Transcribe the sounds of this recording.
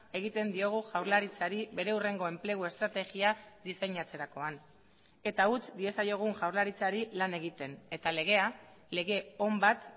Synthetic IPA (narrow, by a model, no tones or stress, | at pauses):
e̞ɣ̞it̪e̞nd̪io̞ɣ̞uʝawɾlaɾit͡saɾibe̞ɾe̞ure̞ŋɡo̞e̞mple̞ɣ̞ue̞st̪ɾat̪e̞ɣiaðisejɲat͡se̞ɾako̞an | e̞t̪aut͡sd̪ie̞sajo̞ɣ̞uŋʝawɾlaɾit͡saɾilane̞ɣ̞it̪e̞ne̞t̪ale̞ɣe̞a | le̞ɣe̞o̞mbat̪